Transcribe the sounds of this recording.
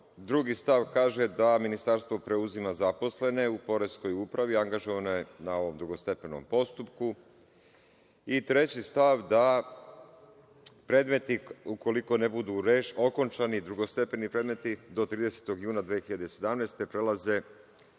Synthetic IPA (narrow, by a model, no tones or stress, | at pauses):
d̪ɾuɡist̪aʋkaːʒe̞d̪aminist̪aɾst̪vʋo̞pɾe̞uzimazapo̞sle̞ne̞upo̞ɾe̞sko̞jupɾaʋiaŋɡaʒo̞ʋanojenao̞ʋo̞md̪ɾuɡo̞st̪e̞pe̞no̰mpo̞st̪up̚ku | it̪ɾe̞t͡ɕist̪aʋd̪a | pɾe̞ːd̪me̞t̪iuko̞liko̞nebud̪uɾeʃo̞ko̞nt͡ʃanid̪ɾuɡost̪e̞pe̞nipɾed̪me̞t̪id̪o̞t̪ɾiːd̪ese̥t̪o̞ɡjuːnad̪ʋexiʎad̪ese̞d̪amnest̪e̞pɾelˠaze̞